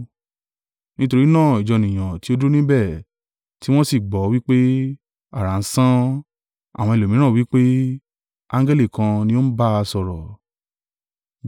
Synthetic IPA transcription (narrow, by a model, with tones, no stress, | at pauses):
nĩ˦to˧ɾi˦nãː˦˨i˨d͡ʒɔ˨nĩ˨j̃ã˨ti˦o˧˦du˦nĩ˦bɛ˦˨ | ti˦w̃ɔ̃˦si˦˨ɡ͡bɔ˨˦wi˦k͡pe˦ | a˦˨ɾa˨˦n̩˦sã˦ | a̰˨w̃ɔ̃˧i˧˨lo˨mĩ˨˦ɾ̃ã˦˨wi˦k͡pe˦ | ã˧ŋɡɛ˦li˦˨kã˧nĩ˧o˦n̩˦ba˦a˧sɔ˨ɾɔ˨